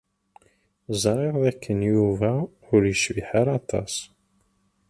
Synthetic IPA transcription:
zˤɾeðˤðækːənjuvæ | ʊɾjəʃviħaɾɑt̪ˤʰɑ̰s

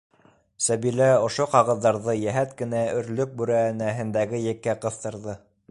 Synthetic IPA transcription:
sæβilæŏʃoqɑʁɤ̆ðːɑɾðɤjæɦæt̪kɘ̆næɵ̆ɾlɵk̚bʉɾænæɦɘ̆nd̪æɡɘjɘ̆kːæqɤ̆θt̪ɤ̆ɾðɤ

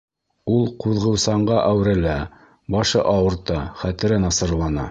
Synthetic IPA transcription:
ulˠquðʁɤ̆wsɑɴɢɑʔæwɾɘ̆læ | bɑʃɤʔɑwɤ̆ɾt̪ɑχæt̪ɘ̆ɾɘnɑsɤ̆ɾlˠɑnɑ̰

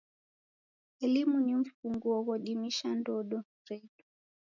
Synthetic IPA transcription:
ɛlimuniɱ̩fuŋɡuɔɣɔɗimiʃandɔɗɔ | ɾɛtu̥

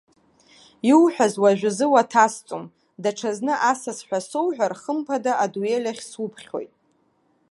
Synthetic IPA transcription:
iwħʷᶣazwaʒᶣʷazɨwatʰast͡sʷʼom | daʈ͡ʂʰaznɨʔasasħʷᶣasowħᶣʷarχəmpʰadaʔaduelʲaχʲswupʰχʲo̞̰jtʼ

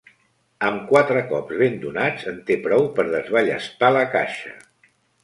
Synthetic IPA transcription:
əmkwat̪ɾəkɔpzβend̪unad͡zənt̪epɾɔwpəɾðəzβəʎə̰st̪aləka̰ʃə̰

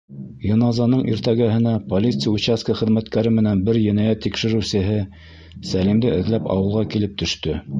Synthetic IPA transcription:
jŏnɑzɑnɤɴʔiɾt̪æɡæɦɘ̆næpolʲit̪sɨjut͡ɕaskəχɘ̆ðmæt̪kæɾɘmɘ̆nænbɘɾjɘ̆næjæt̪ːikʃɘ̆ɾɘ̆wsɘ̆ɦɘ | sælimd̪ɘɘ̆ðlæpɑ̰wɤ̆lˠʁɑkilɘp̚t̪ɵ̆ʃt̪ɵ

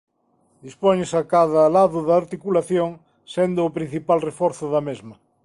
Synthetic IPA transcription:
d̪ispoɲesakaðalaðʊðaːɾt̪ikulaθjoŋ | send̪oːpɾĩn̟θipalrefɔɾθʊðɐmezmɐ

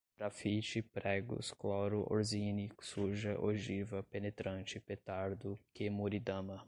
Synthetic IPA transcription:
d̥̪ɾafit͡ʃɪpɾɛɡʊ̰sklawɾʊʔo̰ɾzinisuʒɐʔoʒivɐpenet̪ɾɐ̃nt͡ʃɪpet̪aɾd̪ʊkemuɾid̪ɐ̃mɐ

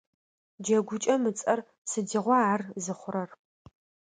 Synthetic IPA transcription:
d͡ʒɐɡʷʊt͡ʃʼɐmɨt͡sʼɐr | sɨdiʁʷɔaːrzɨχʷʊɾɐr

